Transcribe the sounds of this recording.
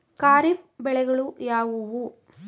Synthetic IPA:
kaːɾifbɛɭɛɣɐɭujaːʋuʋu

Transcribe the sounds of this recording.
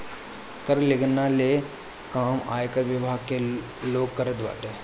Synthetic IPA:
kəɾleɡənːale | kaːma̰ːjkəɾʋɪbʱaːɡ̚ke | loːɡkːəɾəd̪ʋa̰ːʈe

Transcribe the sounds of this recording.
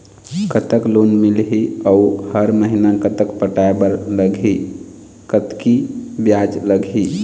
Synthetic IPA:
kət̪əklonmilɦiauhəɾməɦinakət̪əkpəʈaebəɾləɡʱi | kət̪kibjad͡ʒləɡʱi

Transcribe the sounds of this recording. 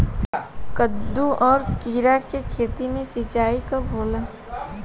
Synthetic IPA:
kəd̪ːuʔɔːɾkiːɾakekʰeːt̪imẽsɪt͡ʃaːikaboːlaː

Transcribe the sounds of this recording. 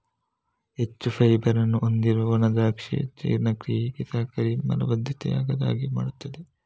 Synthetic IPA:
ɦet͡ʃːupʰɐjbɐɾɐnːuʔond̪iɾɐʋɐnɐd̪aːkʂḛt͡ʃɐ̰jːɾnɐkɾiːɦikesaːkɐɾimɐ̰lɐ̰bɐd̪ʱːɐt̪ɛ̰ja̰ːɡɐd̪a̰ːɡima̰ːɽut̪ːɐd̪e

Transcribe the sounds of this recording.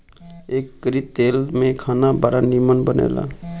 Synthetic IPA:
ekːɾit̪elmẽkʰaːnabaɾanimənbənḛːla̰

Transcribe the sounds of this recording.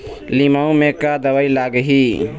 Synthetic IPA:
limaũmẽkad̪əʋəilaɡɦi

